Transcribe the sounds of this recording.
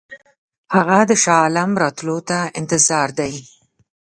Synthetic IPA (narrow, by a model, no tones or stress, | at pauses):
haɣad̪əʃɑlamɾɑt̪lot̪aɪnt̪ɪzɑɾd̪aj